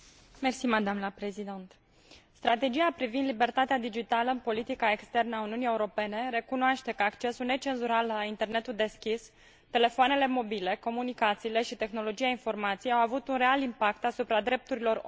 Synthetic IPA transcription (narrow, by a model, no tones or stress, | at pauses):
mersimad̪amləpɾe̞zid̪ent̪ | st̪ɾat̪e̞d͡ʒijapɾivind̪libe̞rt̪at̪ead̪id͡ʒit̪aləɨnpo̞lit̪ikae̞kst̪e̞rnəauniunije̞uɾo̞pe̞ne̞ɾe̞kunoaʃt̪e̞kəakt͡ʃe̞sulne̞t͡ʃe̞nzuɾalːaint̪e̞rne̞t̪uld̪e̞skʲis | t̪e̞le̞foane̞le̞mo̞bile̞ko̞munikat̪siːle̞ʃit̪e̞xno̞lo̞d͡ʒiainfo̞rmat̪sijawavut̪unre̞alimpakt̪asupɾad̪ɾe̞p̚t̪uɾilo̞ɾ